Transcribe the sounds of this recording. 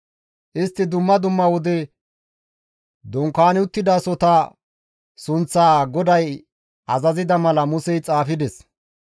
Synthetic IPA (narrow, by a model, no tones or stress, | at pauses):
ʔɪst̪ːɪd̪ʊmːɐd̪ʊmːɐwɔd̪ɛ | d̪ɔŋkaːnɪʊt̪ːɪd̪ɐsɔt̪ɐ | sʊnt͡sːaːɡɔd̪ɐj | ʔɐzɐzɪd̪ɐmɐlɐmʊsɛjt͡sʼaːfɪd̪ɛs